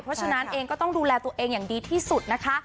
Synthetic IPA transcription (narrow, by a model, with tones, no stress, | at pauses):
pʰɾɔ˦˥t͡ɕʰa˧na˦˥nʔeː˧ŋkɔː˥˩t̪ɔ˥˩ŋduː˧lɛː˧t̪u˧əʔeː˧ŋjaː˨˩ŋdiː˧t̪ʰiː˥˩su˨˩t̪̚na˦˥kʰa˦˥ʔ